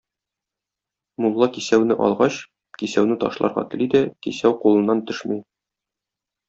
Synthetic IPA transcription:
mulˠːɑkisæwnɘʔɒ̰lˠʁɑɕ | kisæwnɘt̪ɒ̰ʃlˠɑ̰ɾʁɑ̰t̪ɘ̆lid̪ækisæwqulˠɤ̆nːɑnt̪ɵʃmɤj

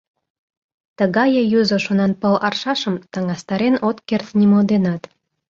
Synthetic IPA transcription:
t̪əɣɑjəjuzoʃonɑnpəlɑrʃɑʃə̆mt̪ɑŋɑst̪ɑɾenot̪kert̪nimold̪enɑt̪

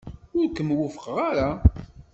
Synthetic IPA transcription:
ʊɾkəmwʊfəqʁaɾa

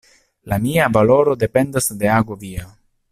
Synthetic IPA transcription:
lamiavalo̞ɾo̞de̞pe̞ndasde̞aɡo̞via

